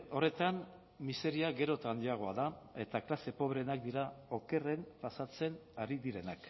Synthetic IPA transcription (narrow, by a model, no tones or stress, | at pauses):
o̞re̞t̪an | mise̞ɾiaɣe̞ɾo̞t̪and̪aɣ̞o̞aðae̞t̪aklase̞po̞βɾeenak̚d̪iɾao̞ke̞re̞mpasat͡se̞naɾiðiɾe̞nak